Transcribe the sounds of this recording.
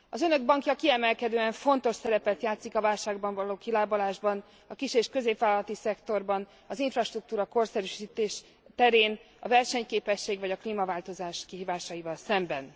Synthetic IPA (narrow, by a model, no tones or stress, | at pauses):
ɒzø̞nø̞ɡ̚bɒŋkjɒkiɛmɛlkɛd̪øːɛɱfo̞nt̪o̞ʃsɛɾɛpɛt̪jaːt̪sikɒvaːlʃaːɡbɒɱvɒloːkilaːbolaːʒbɒn | ɒkiʃeːʃkø̞zeːpvaːlɒlɒt̪isɛkt̪o̞rbɒn | ɒziɱfrɒʃt̪ruk̚t̪uːɾɒko̞rsɛɾyʃiːt̪eːʃ | t̪ɛɾeːn | ɒvɛrʃɛɲkeːpɛʃːeːɡvɒɟɒkliːmɒvaːlt̪o̞zaːʃkiɦiːvaːʃɒjivɒlsɛmbɛn